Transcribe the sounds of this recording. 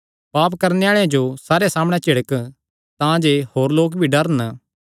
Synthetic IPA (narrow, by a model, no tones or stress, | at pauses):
paːpkɐɾneaːɭeãd͡ʒosaːɾeasaːmɽ̃ɛt͡ʃɪɽək | t̪ãd͡ʒehoːɾloːk̬bʱiɖɐɾən